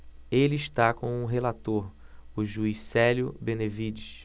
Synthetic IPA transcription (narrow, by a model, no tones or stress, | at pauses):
elɪiʃt̪akõw̃ũɦelat̪oɾʊʒuisɛljʊbẽnevid͡ʒis